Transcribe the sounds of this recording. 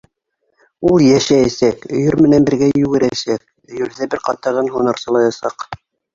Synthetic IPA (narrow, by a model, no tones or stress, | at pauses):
ulˠjæʃææsækɵ̆jɵɾmɘ̆nænbɘ̆ɾɡæjʉɡɘ̆ɾæsæk̚ | ɵ̆jɵ̆lðæbɘɾqɑt̪ɑʁɤnɦunɤ̆ɾsɤ̆lˠɑjɑsɑq